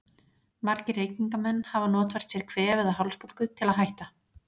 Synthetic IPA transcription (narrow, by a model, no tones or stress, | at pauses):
maɾcɪɾreːjciŋkamɛnːhavanɔːt̪vɛɾ̥t̪sjɛɾ̥kʰvɛːvɪðaɦawlspowlkʏt̪ʰɪlaðɦajht̪a